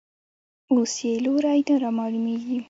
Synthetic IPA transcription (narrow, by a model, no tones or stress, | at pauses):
oseloɾɑjt̪aɾɑmɑlumeɡi